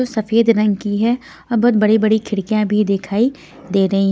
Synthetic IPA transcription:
osɐfeːd̪ɾɐ̃ŋɡkiɦɛ | ɔːɾbɔːt̪̚bɐɽibɐɽikʰɪɽkijãbʱid̪ɪkʰaːi | d̪eːɾɐɦiɦ

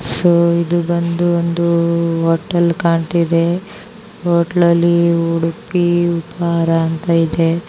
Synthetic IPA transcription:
soːid̪ubɐnd̪uond̪uɦoːʈːɐlkaːɳt̪id̪e | ɦoːʈɐlɐlːiuɽupiupaaɾɐːnt̪ɐid̪e

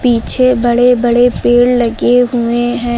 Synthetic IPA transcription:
piːt͡ʃʰebɐɽebɐɽepeːɽlɐɡeɦʊeɦɛ̃ː

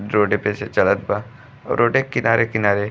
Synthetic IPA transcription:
ɾoːɖepeːset͡ʃɐlət̪̚ba | ɔ̰ːɾɾoːɖekɪnaːɾʔekɪnaːɾe

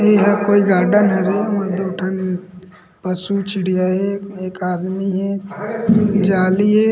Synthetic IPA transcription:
eɦɐkoːiɡaːɾɖənɦɛɡeɔːɾd̪oːʈʰən | pɐsut͡ʃɪɽijaɦɛeːkaːd̪miɦɛ | d͡ʒaːliɦɛː

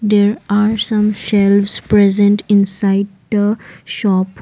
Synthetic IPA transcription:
d̪eːɾaːɾsʌ̃mʃɛlʋspɾɛzẽɳʈɪ̃nsaɪɖ̚d̪əʃɔp

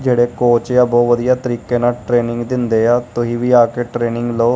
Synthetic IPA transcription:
d͡ʒeːɽeːkoːt͡ʃjaːbɔːʋəd̪ijaːt̪əɾiːkeːnaːʈɾeːnɪ̃ŋɡd̪ɪnd̪eːaːt̪ʊɦĩːʋiːaːkeːʈɾeːnɪŋɡloː

